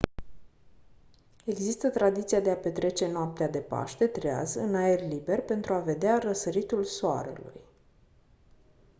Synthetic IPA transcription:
e̞ɡzist̪ət̪ɾad̪it̪siad̪e̞ape̞t̪ɾe̞t͡ʃe̞noap̚t̪ead̪e̞pa̰ʃt̪e̞t̪ɾea̰zɨnaerʲlibe̞rʲpe̞nt̪ɾuave̞d̪earəsəɾit̪ulsoa̰ɾə̰lṵj

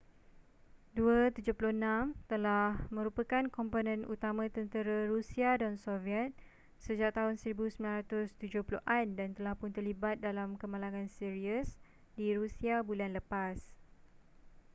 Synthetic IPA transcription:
duət̪ud͡ʒʊpulunãmt̪əlahmə̃ɾupəkankɔmponə̃nut̪amãt̪ənt̪əɾaɾusiadɔnsoviɛt̪̚ | səd͡ʒak̚t̪aɦʊnsəɾibusəmilanɾat̪ʊst̪ud͡ʒʊhpuluʔandant̪əlahpʊnt̪ərlibat̪̚dalamkəmãlaŋãnsiɾiəs | diɾusiabulanləpas

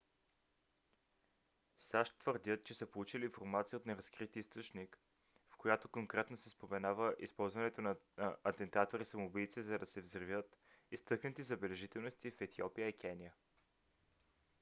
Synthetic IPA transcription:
saʃt̪vəɾd̪ʲət̪̚t͡ʃɛsəpolˠut͡ʃiliːnfoɾmat̪sijəot̪nɛɾɐskɾit̪ist̪ot͡ʃnik | fkojat̪okoŋkɾɛt̪nosɛspomɛnavəʔispɔlˠzvɐnɛt̪onɐɐt̪ɛnt̪at̪oɾisɐmobilt̪sizɐd̪ɐsɛvzɾvʲjət̪ | ist̪ɤknət̪izɐbɛlɛʒit̪ɛlˠnost̪ifɛt̪iɔpijəikʰʲɛnijə

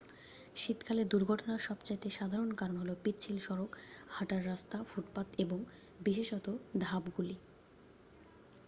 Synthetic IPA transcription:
ʃit̪kʰaled̪uɾɡʱɔʈonaɾʃɔbt͡ɕajt̪eʃad̪ʱaɾonkaɾonɦolopitːt͡ɕʰilʃɔɾokhaʈaɾːast̪afuʈpat̪eboŋ | biʃeʃɔt̪od̪ʱabɡuli

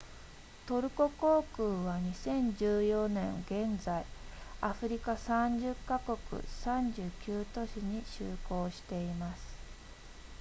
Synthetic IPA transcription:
t̪o̞ɾɯ̟ko̞ko̞ːkɯːβaɲ̟isẽ̞ɲd͡ʑɨːjo̞nẽ̞ŋɡẽ̞nd͡zaiaɸɯ̟ɾʲikasãɲd͡ʑɨkːako̞kɯ̰sãɲd͡ʑɨːkʲɨːt̪o̞ɕiɲ̟iɕɨːko̞ːɕi̥t̪e̞imasɨ̥

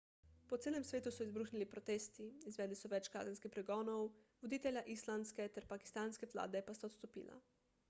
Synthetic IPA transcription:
pɔt̪seːlɛmsʋeːt̪usɔizbɾuːxnilipɾɔt̪eːst̪iizʋɛːd̪lisɔʋɛt͡ʃka̰ːzɛnskixpɾɛɡɔːnɔwʋɔd̪iːt̪ɛlʲjaʔislanskɛt̪ɛɾpaki̥st̪aːnskɛʋla̰ːd̪ɛpast̪aɔt̪st̪ɔpḭːla̰

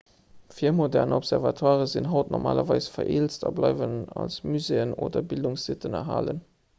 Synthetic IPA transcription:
fiːɐmodɛʁnəɔpz̥ɛʁvɑtʰwaːʁəzinɦɑʊtnɔʁmʔa̰ːlɐvɑɪsfɐʔeːlt͡stɑblɑɪvənɑlsmyzeːəno̰ːdɐbilduŋszitənɐ̰ɦa̰ːlə̰n

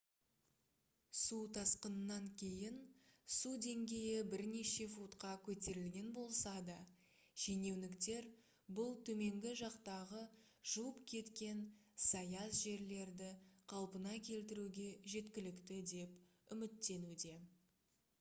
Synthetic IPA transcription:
sut̪ʰɑsqənənːɑŋkʲʰe̞jɪnsud̪e̞ŋɡʲe̞jɪbɪɾne̞ʃe̞fut̪qɑkʲʰɵt̪e̞ɾɪlɡʲe̞nbo̞lˠsɑd̪ə | ʒ̥ene̞wnɪkt̪e̞ɾ | bʊlˠt̪ʰɵme̞ŋɡʲɪʒɑqt̪ɑʁə | ʒ̥uwəpkʲʰe̞t̪kʲe̞nsɑjɑsʒe̞ɾle̞ɾd̪ɪqʰɑlˠpənɑkʲʰe̞lt̪ɪɾuɡʲe̞ʒe̞t̪kʲɪlɪkt̪ɪd̪e̞pʏmɪt̪ːe̞nud̪e̞

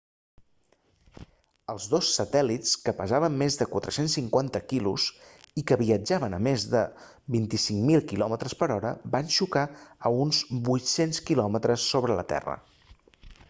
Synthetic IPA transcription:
əlˠzðosːət̪ɛlit͡skəpəzaβəmːezðəkwat̪ɾəsensːiŋkwant̪əkilṵsikəβiəd͡ʒaβənəmezðə | bint̪isiŋmilˠkilɔmət̪ɾəspəɾɔɾəbanʃukaəunzbujt̪senskilɔmət̪ɾəsːoβɾələ̰t̪ɛ̰rə̰

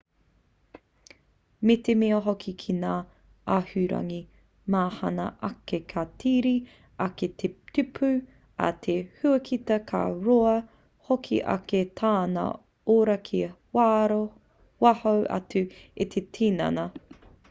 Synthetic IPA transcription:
met̪emiɐɦokʰikʰinaː | ahʉɾɐ̰ŋi | maːhɐnɐ̰ʔɐkekʰatʰiːɾi | ɐketʰet̪ʉpʰʉ | ɐ̰t̪ʰehʉɐkʰit̪ɐkʰa̰ɾoɐ | hokʰḭʔa̰ketʰaːnɐ̰ | oːɾɐkʰi | ɾ | wahowʔɐ̰tʉet̪ʰetʰiːnɐ̰nɐ

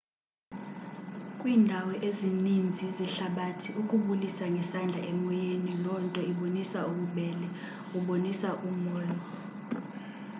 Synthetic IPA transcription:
kʼwiːndʱawɛʔezinind͡zʱiziɬaɓatʰiʔukʼuɓulisaŋɡʱɛsand͡ɮʱaʔɛmɔjenilɔntʼɔiɓonisauɓuɓɛlɛ | uɓonisaʔumɔːjɔ

